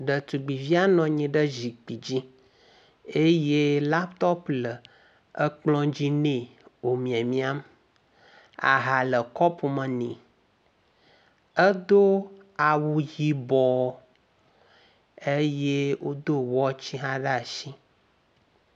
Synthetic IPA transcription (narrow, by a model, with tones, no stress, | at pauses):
ɖə˨t̪u˨ɡ͡bi˨vi˦a˦nɔ̃˨ɲĩ˨ɖə˦zi˨k͡pi˨d͡ʑi˦ | e˦je˦la˦pt̪ɔ˦plə˨ | ə˦k͡plɔ̃˦d͡ʑi˦nẽ˨wo˨mĩ˨a˨mĩ˦a˦m | a̰˨ɦa˨lə˨kɔ˦pu˨mə̃˨nḭ̃˨ | ə˦d̪o˦ | a˨wu˨ji˨bɔ˨ | e˦je˦wo˦d̪o˦wɔ˦t͡ɕi˦ɦã˦ɖə˦˨ʃi˦